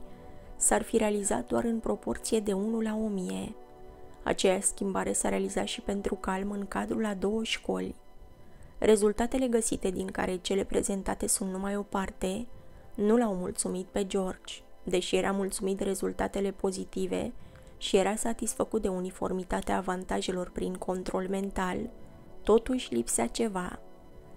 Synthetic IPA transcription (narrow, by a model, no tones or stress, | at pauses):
sarfiɾe̞aliza̰t̪̚d̪oaɾɨnpɾo̞po̞rt̪sije̞d̪e̞unulaomie̞ | a̰t͡ʃe̞jaskʲimbaɾe̞saɾe̞alizaʃipe̞nt̪ɾukalmɨŋkad̪ɾulad̪o̞wəʃko̞̰lʲ | rʔe̞zult̪at̪e̞le̞ɡəsit̪e̞d̪iŋka̰ɾe̞t͡ʃe̞le̞pɾe̞ze̞nt̪at̪e̞sunt̪numajo̞part̪e̞nuleawmult̪sumit̪̚pe̞d͡ʒo̞rd͡ʒʲd̪e̞ʃije̞ɾʔamult̪sumit̪re̞zult̪a̰t̪e̞le̞po̞zit̪ive̞̰ | ʃije̞ɾasat̪isfəkut̪̚d̪e̞unifo̞̰rmit̪at̪eaːvant̪aʒe̞lo̞rpɾiŋkʰo̞nt̪ɾo̞lme̞nt̪al | t̪o̞t̪uʃʲlipseat͡ʃe̞va